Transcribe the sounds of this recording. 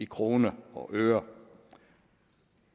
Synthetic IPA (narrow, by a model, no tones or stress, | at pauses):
ikʰʁo̝ːnəɒ̽ʔøːɐ